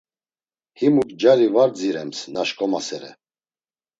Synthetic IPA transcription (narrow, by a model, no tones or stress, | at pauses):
himukʼd͡ʒaɾivaɾd͡ziɾɛmsnaʃkʼɔmasɛɾɛ̰